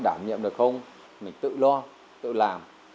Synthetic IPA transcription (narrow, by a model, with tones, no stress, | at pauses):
ɗaː˧˩mɲḭ˧˨mɗɨ˨˩ək̚xə˧wŋ͡m | mï˨˩ŋ̟t̪ɨ̰˧˨lɔ˧ | t̪ɨ̰˧˨laː˨˩m